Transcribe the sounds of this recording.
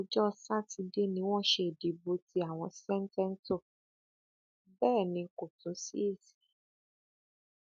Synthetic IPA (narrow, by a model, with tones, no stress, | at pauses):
o˨˦d͡ʒɔ˦˧sa˦ti˧de˦nĩ˧w̃ɔ̃˦˨˦ʃe˨di˨˦bo˧ti˦a˦˨w̃ɔ̃˧sɛ˦n̩˦tɛ˦n̩˦to˦˨ | bɛː˦˨nĩ˧ko˨tũ˨˦sḭ˦e˦˨si̥˨